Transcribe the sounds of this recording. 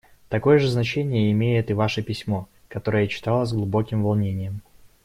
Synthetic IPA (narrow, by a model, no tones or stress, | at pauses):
t̪ɐko̞jəʐɨznɐt͡ɕenʲɪjəɪmʲejɪt̪ɨvaʂəpʲɪsʲmo̞ | kɐt̪o̞ɾəjət͡ɕɪ̥t̪alˠəzʲɡlˠʊbo̞kʲɪmvɐlˠnʲenʲɪjəm